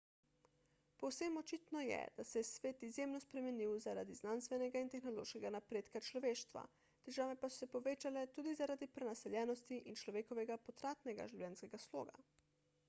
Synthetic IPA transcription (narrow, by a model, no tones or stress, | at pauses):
pɔwsemɔt͡ʃiːt̪nɔjɛ̰d̪̥asɛjɛsʋeːt̪izjeːmnɔspɾɛmɛniwzaɾa̰d̪iznanst̪ʋɛnɛɡaint̪ɛxnɔlo̰ːʃkɛɡanapɾeːt̪kat͡ʃlɔʋeːʃt̪ʋa̰ | t̪ɛʒaːʋɛpasɔ̥sɛpɔʋeːt͡ʃalɛt̪uːd̪izaɾaːd̪ipɾɛnasɛljɛːnɔst̪iʔint͡ʃlɔʋeːkɔʋɛɡapɔt̪ɾaːt̪nɛɡa̰ʒiwlʲɛnskɛɡaslo̰ːɡa̰